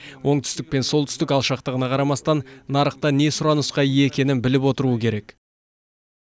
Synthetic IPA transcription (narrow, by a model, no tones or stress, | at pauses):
wʔo̞ɴt̪ʰʏ̥st̪ɪk̚pe̞nso̞lˠt̪ʰʏ̥st̪ɪkɑlˠʃɑqt̪əʁənɑqʰɑɾɑmɑst̪ɑnːɑɾəqt̪ɑne̞sʊɾɑnəsqɑijeekʲe̞nɪnbɪlɪpwo̞t̪əɾuəkʲʰe̞ɾe̞k